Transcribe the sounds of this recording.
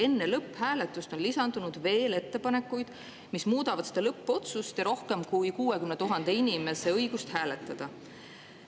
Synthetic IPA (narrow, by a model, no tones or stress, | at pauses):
e̞nːe̞lɤpːˑhæːle̞t̪ːˑust̪o̞nlisɑnd̪̥unud̪ve̞ːle̞t̪ːe̞pɑne̞kːˑujd̪̥ | mismuːd̪̥ɑvɑd̪̥sed̪ɑlɤpːo̞t̪sust̪jɑɾo̞hke̞mkujkuːe̞kymnet̪uɦɑnd̪̥e̞inʲime̞se̞ɤ̞jɡ̥ust̪hæːle̞t̪ːˑɑd̪̥ɑ